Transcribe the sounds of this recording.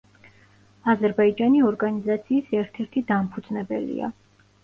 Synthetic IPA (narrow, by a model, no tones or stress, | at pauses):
azɛɾbaid͡ʒaniɔɾɡanizat̪sʰiːsɛɾt̪ʰɛɾt̪ʰid̪ampʰud̪znɛbɛ̰lḭa̰